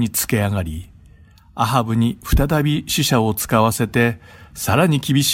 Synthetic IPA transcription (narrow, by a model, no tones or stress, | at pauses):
ɲit͡sɨ̥ke̞aɡaɾʲi | aɦabɯ̟ɲ̟iɸɯ̟̥t̪at̪abʲiɕiɕao̞t͡sɨ̥kaβase̞t̪e̞saɾaɲ̟ikʲibʲiɕ